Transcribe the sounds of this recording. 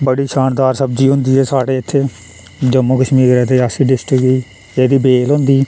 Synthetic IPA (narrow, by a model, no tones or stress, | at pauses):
bəɽiːʃaːnd̪aːɾsəbd͡ʒiːɦʊ̃nd̪iːɦɛːsaːɽeːɪt̪ʰːeː | d͡ʒəmːoːkəʃmiːɾɾɛːt̪eːasiːɖɪsʈɪkiː | eːd̪iːbeːlɦõnd̪iː